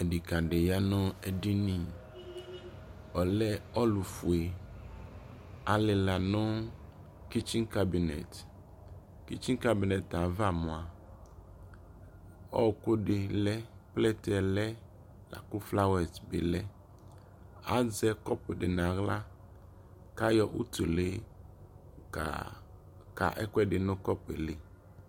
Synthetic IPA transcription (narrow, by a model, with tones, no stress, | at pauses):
e˨ɖi˨ka˨ɖe˨ja˦nɔ̃˦e˨ɖi˦nĩ˦ | ɔ˨lɛ˦ɔ˦lu˨fu˨e˨ | a˨lɪ˨la˨nɔ̃˦ | ki˦t͡ʃi˦ŋka˦bi˨nɛ̰˨t | ki˦t͡ʃi˦ŋka˦bi˨nɛ˨ta˨va˦˨mɔ̃˨a˨ | ɔ̰˦˨kʊ˦ɖɪ˨lɛ˦plɛ˦tɛ˨lɛ˦ | lʔa̰˨kʊ˦fla˦wɛ˨tbḛ˨lɛ˦ | a˨˦d͡zɛ˦kɔ˦pɛ˨dɪ˨nã˨ɣla˦ | ka˦jɔ˨ʔṵ˦tu˨le˦˨ | ka̰˨ʔɛ̰˦kʷɛ˦ɖɪ˨nʊ̃˦kɔ˦pɛ̰˨lɪ˨